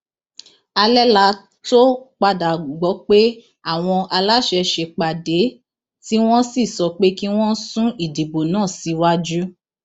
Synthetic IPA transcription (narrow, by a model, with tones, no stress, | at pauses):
a˧lɛ˦la˧˦ | to˦k͡pa˧da˨ɡ͡bɔ˨˦k͡pe˦ | a˦˨w̃ɔ̃˧ʔa˧la˦ʃɛ˧ʃe˧˨k͡pa˨de˨˦ | ti˦w̃ɔ̃˦si˦˨sɔ˨k͡pe˦ki˦w̃ɔ̃˦sũ˦i˦˨di˨bo˨nãː˦˨si˨˦wa˦d͡ʒu˦